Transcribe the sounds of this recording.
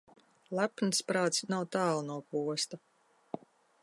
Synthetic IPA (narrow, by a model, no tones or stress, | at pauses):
lˠapnɨspɾaːt̪snawt̪aːlˠnuɔpuɔst̪a